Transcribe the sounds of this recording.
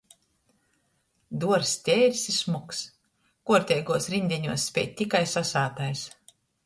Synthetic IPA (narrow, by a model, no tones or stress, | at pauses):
d̪uɔɾst̪ʲeːɾʲsismuks | kuɔɾt̪ʲɛjɡuɔsɾinʲd̪ʲɛɲuɔsːpʲɛ̰ːjtt̪ikajsasaːt̪ajs